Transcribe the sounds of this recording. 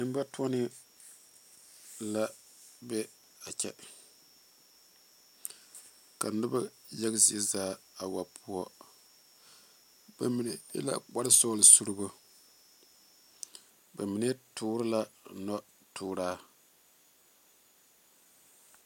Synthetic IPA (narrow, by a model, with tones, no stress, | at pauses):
nɨ˦m˦ba˦twɔ˦nɪ˦ | la˦ | bɛ˦ | a˨t͡ʃʲɛ̰˦ | ka̰˨nʊ˦ba˦jɛ˦ɡzi˦˨ɛ˦zaː˦ | a˨wa˨pʰu˦ɔ˦ | b̥a˨mi˨nɛ˨jɛ̰˦la̰˦k͡pa˦ɾɪ˦sɔː˦lɪ˨su˦ɾɨ˦bo˦ | ba˨mi˨ne˦tʰuː˦ɾɨ˦la˦nɔ˦ | tuː˦ɾaː˦